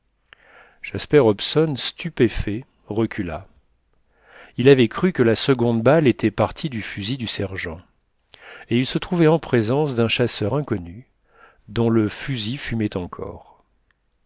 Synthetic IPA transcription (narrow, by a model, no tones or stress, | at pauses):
ʒ̥aspɛʁɔpsɔnst̪ypefɛ | ʁəkʲʰyla̰ | ilavɛkχykəlasəɡɔ̃d̪balet̪ʰɛpaʁt̪ʰid̪yfyzid̪ysɛʁʒɑ̃ | eilsət̪χuvɛɑ̃pχezɑ̃sd̪ɛ̃ʃasœʁɛ̃kɔny | d̪ɔ̃ləfyzifymɛt̪ɑ̃kʰɔ̰ːʁ